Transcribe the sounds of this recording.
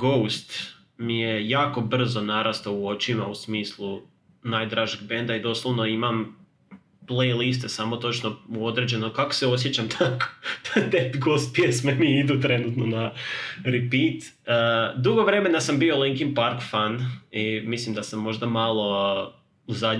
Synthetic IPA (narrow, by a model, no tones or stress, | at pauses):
ɡowst̪ | mijejaːko̞br̩zo̞naɾʔast̪auo̞t͡ʃimausmiːslˠu | najd̪ɾaːʒeɡ̚bend̪aid̪o̞slˠoʋno̞imam | plejlis̬t̪e̞samo̞t̪o̞t͡ʃno̞o̞d̪ɾe̞d͡ʑe̞nokako̥se̞o̞sjet͡ɕamt̪ʰako̥d̪̥at̪epɡowst̪̚pjesmeniid̪ut̪ɾe̞nuːt̪no̞naɾipiːt̪ | əd̪uɡoʋɾe̞me̞nasambio̞liŋkimpaɾkfanimislˠimd̪asamːo̞ʒd̪amalˠo̞ | uzad